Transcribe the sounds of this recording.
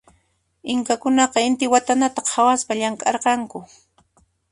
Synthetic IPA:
ɪŋkakʊnɑqɑɪnt̪ɪwat̪anat̪ɑqhawaspaʎaŋkʼɑɾqɑŋkʊ

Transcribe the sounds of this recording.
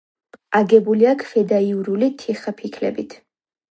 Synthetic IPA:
aɡɛbuliakʰfɛd̪aiuɾulit̪ʰiχapʰikʰlɛ̰bit̪ʰ

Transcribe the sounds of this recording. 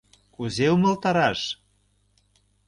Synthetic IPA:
kuzeumɤ̆lt̪ɑɾɑʃ

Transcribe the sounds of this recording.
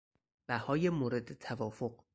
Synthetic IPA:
b̥æhɒːjemoːɾe̞d̪et̪ʰævɒːfoq̚

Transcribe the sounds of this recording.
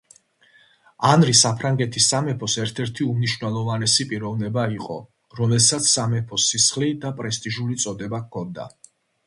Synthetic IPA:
anɾisapʰɾaŋɡɛt̪ʰisːamɛpʰɔsɛɾt̪ʰɛɾt̪ʰiumniʃwnɛlˠɔvanɛsipʼiɾɔvnɛbaiqʼɔ̰ | ɾɔmɛlsat̪sʰsamɛpʰɔsːisχlid̪apʼɾɛst̪ʼiʒulit̪sʼɔd̪ɛbakʰɔnd̪a̰

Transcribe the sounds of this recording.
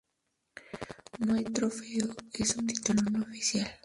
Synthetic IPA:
mwejt̪ɾofeoesunt̪i̥t̪ulonoofisjal

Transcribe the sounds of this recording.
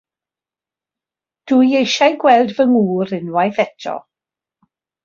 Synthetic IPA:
d̥ujejʃajɡwɛlˠdvəŋuːɾɪnwajθɛtʰɔ̰

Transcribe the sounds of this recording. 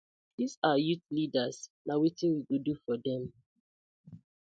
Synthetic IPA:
d̥isajutlidasnawitĩnwiɡodufɔdɛ̃m

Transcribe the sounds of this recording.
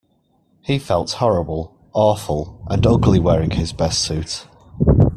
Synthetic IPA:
hifɛlˠthɒɹəbəlˠ | ɑːˑfəlˠʔə̃nʊɡlɪwɛːɹɪ̃ŋɪzbɛstsʉˑt

